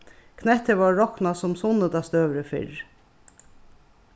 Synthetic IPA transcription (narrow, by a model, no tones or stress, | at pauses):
kʰnɛt̪əʋɑːɔknasʊmsʊnəd̪ast̪øːʋɾəfɪ̰ɾ